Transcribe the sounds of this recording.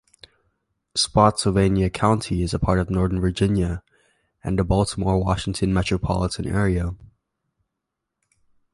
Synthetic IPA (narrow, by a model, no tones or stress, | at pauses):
spɑtsl̩ˠvẽɪ̃njɨkʰãʊ̃ntʰiɨzəpʰɑɹɾʌvnɔɹðə̃˞nvə˞d͡ʒɪ̃njɨ | ɨ̃nəbɔlˠtʰəmɔɹwɑʃɪ̃ŋtʰɨ̃nmɛt͡ʃɹ̥əpʰɑ̰lˠətʰɨ̃nɛ̰ɹiə